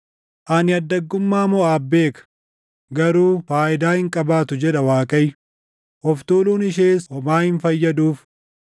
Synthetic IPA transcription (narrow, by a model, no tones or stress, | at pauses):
ʔɐnɪɐd̪ːɐɡːʊmːaːmɔaːbːe̞ːkɐ̥ | ɡɐɾuːfaːʔɪd̪aːhɪŋkʼɐbaːt̪ʊd͡ʒɛᶑɐwaːkʼɐj | ʔɔft̪uːluːnɪʃ̬eːsɔmaːhɪnfɐjːɐd̪uːf